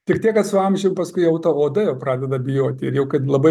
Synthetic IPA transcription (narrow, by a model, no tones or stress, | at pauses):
tʲɪkt̪ʲiɛkːɐt̪sʊɐmʲʒʲɛʊpɐskʊɪɐʊt̪oːoːd̪ɐjɛʊpɾɑːd̪ʲɛd̪ɐbʲɪjoːt̪ʲɪɾjɛʊkɐt̪lˠɐbɐɪ